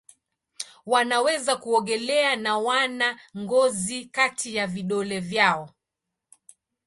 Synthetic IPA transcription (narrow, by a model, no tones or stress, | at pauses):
wanawɛzakuɔɠɛlɛanawanaŋɡɔzikatʰijaviɗɔlɛvjaɔ